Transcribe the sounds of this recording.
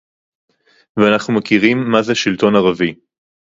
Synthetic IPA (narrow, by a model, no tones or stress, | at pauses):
veanaχnumakiʁimːazeʃilt̪o̞naʁavi